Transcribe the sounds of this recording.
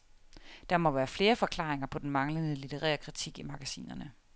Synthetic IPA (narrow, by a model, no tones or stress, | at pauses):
d̥ɑmɒ̽ʋæːɐfle̝ːɐfɒ̽kʰlɑ̰̈ːeŋɐpʰɒ̽d̥en̩mɑ̈ŋlənəlit͡sʰe̝ʁæ̰ːɐkʰʁit͡sʰiɡ̥imɑ̈ɡ̥æsḭːnɐnə